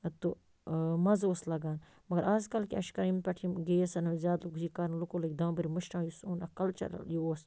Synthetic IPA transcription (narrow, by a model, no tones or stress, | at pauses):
t̪u | mɐzoːslɐɡaːn | mɐɡɐɾaːzkɐlkiɐʃkɐɾimpʲɐʈʰimɡeːɐsɐnɐzʲaːd̪lukuzikaɾnlukoːlɐkd̪ãːbiɾimɨʃʈãːjusoːnɐ̰kɐlt͡ʃɐ̰ɾ̰ljuoːs